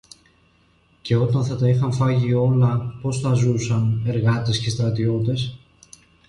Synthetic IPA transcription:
ce̞o̞t̪ɐnθɐt̪ɐixɐɱfɐʝio̞lɐpo̞sθɐzusɐne̞ɾɣɐt̪e̞sce̞st̪ɾɐt̪io̞t̪e̞s

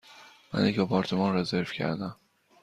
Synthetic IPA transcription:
mæ̰njecɒpʰɒːɾt̪ʰemɒːnɾeze̞ɾvcʰæ̰ɾd̪æm

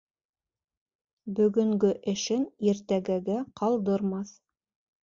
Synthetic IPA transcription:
bɵ̆ɡɵ̆ŋɡɵʔɘ̆ʃɘniɾt̪æɡæɡæqʰɑlˠd̪ɤ̆ɾmɑθ

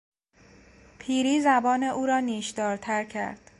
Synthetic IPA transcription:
pʰiːɾiːzæbɒːne̞ʔuːɾɒːniːʃd̪ɒːɾt̪ʰæɾcʰæ̰ɾd̪̥

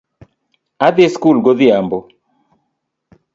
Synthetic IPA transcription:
aðieskulɡɔðiambɔ

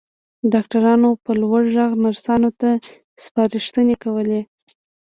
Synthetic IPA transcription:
ɖɑk̚ʈaɾɑnopəlwaɽʒaɣmaɾsɑnot̪a | spɑɾeʃt̪ənekawəle

